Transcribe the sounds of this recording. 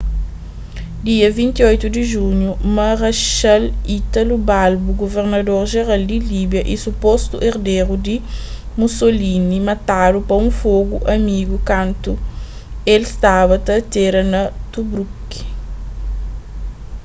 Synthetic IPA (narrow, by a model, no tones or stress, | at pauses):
d̪iɐvĩnt̪iojt̪ud̪iʒuɲjumɐʁɐʃalit̪ɐlubalbuɡoveɾnɐd̪oɾʒeɾald̪ilibjɐʔisupost̪ṵʔeɾd̪eɾud̪i | musolinimɐt̪adupɐũfoɡuʔɐmiɡukãnt̪u | elst̪aβɐt̪ɐt̪eɾɐnɐt̪ubɾuki̥